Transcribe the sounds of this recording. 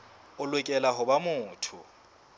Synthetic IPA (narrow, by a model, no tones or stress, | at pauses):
ʊlwɛkʼɛlaɦʊbamʊːtʰʊ̰